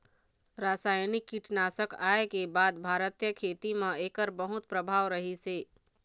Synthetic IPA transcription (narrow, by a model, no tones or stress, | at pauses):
ɾasajnikːiʈʰnasəkaekebad̪bʱaɾət̪jəkʰet̪imẽekəɾbəɦut̪̚pɾəbʱaʋɾəɦise